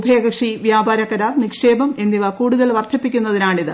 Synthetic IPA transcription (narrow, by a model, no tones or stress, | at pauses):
bʱeːɡɐkʂiʋjaːbaːɾɐkːɐɾaːrnikʂe̞ːbɐme̞nd̪iʋɐkuːɽuðɐlʋɐrt̪ʰɐpːikʲːunːɐðinaːɳiðɨ